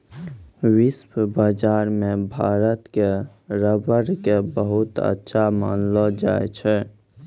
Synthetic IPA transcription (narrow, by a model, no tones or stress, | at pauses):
wɪswbad͡ʒaɾmẽbʱaːɾət̪ke | ɾəbəɾkebəɦut̪ə̰tːʃʰama̰ːnlɔd͡ʒaet͡ʃʰɛ